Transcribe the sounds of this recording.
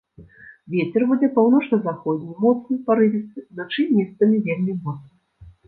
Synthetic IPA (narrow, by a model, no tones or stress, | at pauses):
vʲɛt͡sʲɛrbud͡zʲɛpawnɔt͡ʂnɐzaxɔd͡zʲnʲimɔt̪snɨpaɾɨvʲit̪sɨnat͡ʂɨmʲɛst̪ɐmʲivʲelʲmʲimɔt̪snɐ